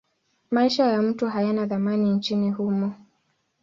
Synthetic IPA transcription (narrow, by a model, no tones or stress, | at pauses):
maiʃajam̩tuɦajanaðamanint͡ʃinihumɔ